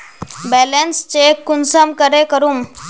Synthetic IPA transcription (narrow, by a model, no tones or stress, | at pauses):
bɛlenst͡ɕekunsəmkəɾekəɾuːm